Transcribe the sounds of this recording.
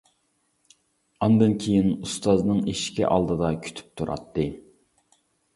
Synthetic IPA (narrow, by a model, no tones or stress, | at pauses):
ɑnd̪ɨnkʲʰejinust̪ɑznɨŋeʃkʲʰḭʔɑ̰lˠd̪ɨd̪ɑkʲʰy̥t̪ʰy̥p̚t̪ʰuɾʔɑ̰t̪ːɨ